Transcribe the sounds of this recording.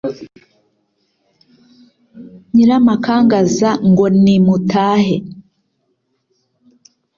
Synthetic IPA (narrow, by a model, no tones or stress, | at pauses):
ɲiɾamakʰaːŋɡazaŋɡo̞nimutʰaːhe